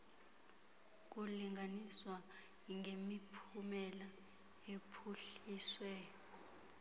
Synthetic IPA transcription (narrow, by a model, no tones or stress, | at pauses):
k̬uliŋʱaniswa | iŋemipʰumɛla | epʰuɬiːswɛ